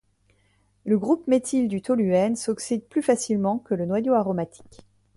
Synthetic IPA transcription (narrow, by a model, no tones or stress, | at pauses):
ləɡʁupmet̪ʰild̪yt̪ɔlyɛnsɔksid̪̚plyfasilmɑ̃kələnwajoaʁɔmat̪ʰi̥k